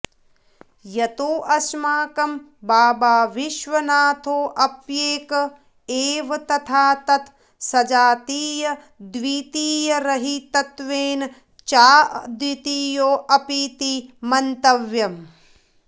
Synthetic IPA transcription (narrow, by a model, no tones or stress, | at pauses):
jɐt̪oːʔɐsmaːkɐm | baːbaːʋiʃʋɐnaːt̪ʰoːʔɐpjeːkɐ | eːʋɐt̪ɐt̪ʰaːt̪ɐt̪ʰ | sɐd͡ʒaːt̪iːjɐ | d̪ʋiːt̪iːjɐɾɐɦit̪ɐt̪ʋeːn | t͡ʃaːd̪wit̪iːjoːʔɐpiːt̪imɐnt̪ɐʋjɐm